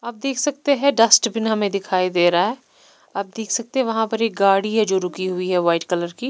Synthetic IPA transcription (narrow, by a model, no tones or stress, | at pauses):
ɐb̚d̪eːkʰsɐk̚t̪eɦɛ̃ɖɐsʈbʱɪnɦɐmẽd̪ɪkʰaːid̪eːɾaɦɛː | ɐb̚d̪eːkʰsɐk̚t̪eɦɛ̃ʋɐɦãpɐɾeːk̚ɡaːɽiɦɛd͡ʒoːɾʊkiɦʊiɦɛʋaːɪʈkɐləɾkiː